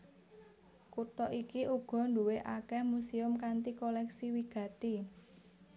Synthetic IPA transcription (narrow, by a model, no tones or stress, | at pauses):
kut̪ɔʔikiʔuɡ̥ɔ̤nduweʔakɛhmusiʊmkant̪ikolɛksiwiɡ̥ä̤t̪i